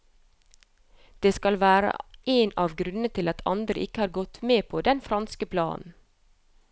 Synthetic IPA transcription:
d̪̥eːskɑlʋæːɾə̰ʔeːnɑːʋɡɾʉnnət̪ʰɪlɑt̪ʰɑ̰nd̪ɾəʔɪkəhɑːɾɡɔt̪meːpʰoːd̪ɛnfɾɑnskəpʰlɑ̰ːn̩n̩

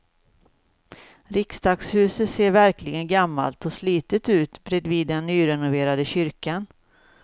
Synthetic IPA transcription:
ɾɪkst̪ɑːɡshʉ̟ːsət̪seːɾvæɾklɪɡənɡamːa̰lt̪ɔsliːt̪ət̪ʉ̟ːt̪bɾɛd̪viːd̪ːɛnːyːɾɛnʊveːɾad̪əɕʏɾkan

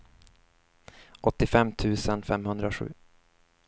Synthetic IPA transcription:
ʔɔt̪ːɪfɛmːt̪ʰʉ̟ːsənfɛmhɵnd̪ɾaɧʉ̟ː

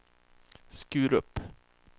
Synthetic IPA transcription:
skʉ̟ːɾɵpː

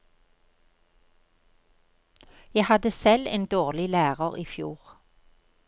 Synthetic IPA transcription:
jæhɑd̪əsɛleːnd̪oːʁlɪlæːʁəʁiːfjṵːʁ

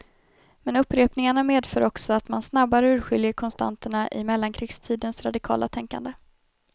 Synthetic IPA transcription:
mɛnɵpːɾeːpnɪŋaɳameːd̪fœːɾɔksɔat̪mansnabːaɾəʉ̟ːɾɧʏljəɾkʰɔnst̪ʰa̰nt̪əɳaʔɪmɛlːaŋkʰɾɪɡst̪ʰiːd̪ənsɾad̪ɪkʰɑ̰ːlʔa̰t̪ʰɛŋka̰nd̪ə

